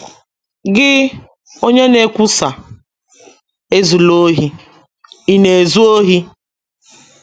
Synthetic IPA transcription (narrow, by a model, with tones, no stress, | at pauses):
ɡɪ˦ | o˦ɲe˦ne˦kʷu˦sa˨ | e˦zu˨lo˦ɦi˦ | i˦ne˨e˨zu˦o˦ɦi˦